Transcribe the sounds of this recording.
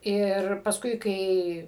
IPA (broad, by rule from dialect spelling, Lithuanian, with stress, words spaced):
ˈɪr pɐsˈkʊɪ ˈkɐɪ